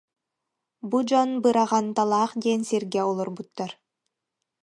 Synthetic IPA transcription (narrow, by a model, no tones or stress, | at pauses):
bud͡ʒɔnbɯɾaʁant̪alˠaːχd̪ɛːnsiɾɡɛɔlˠɔɾbut̪ːaɾ